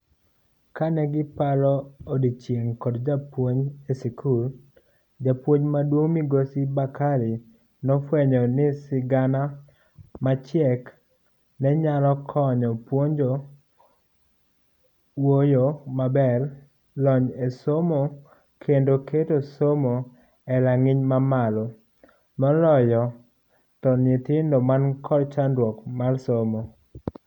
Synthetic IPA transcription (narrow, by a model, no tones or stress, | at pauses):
kanɛɡɪpalɔodit͡ʃjeŋkɔdd͡ʒapwoɲesikʰul | d͡ʒapwoɲmadwoŋmiɡosibakaɾi | nɔfwɛɲɔnɪsɪɡana | mat͡ʃjɛk | nɛɲalɔkʰɔɲɔpwoɲd͡ʒo | wojomabɛr | lɔɲesomo | kʰendoketosomo | ɛlaŋɪɲmamalo | mɔlɔjɔ | tɔnɪtɪndomankʰɔrt͡ʃandwɔkmarsomo